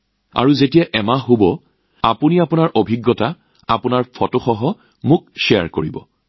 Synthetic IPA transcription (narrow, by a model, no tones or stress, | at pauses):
a̰ɹuzetijaʔɛmaɦobɔ | apuniapunaɹʔobʱiɡːɔta | apʊnaɹpʰɔtoxɔɦɔ | mʊk̚ʃɛa̰ɹkoɹḭbɔ̰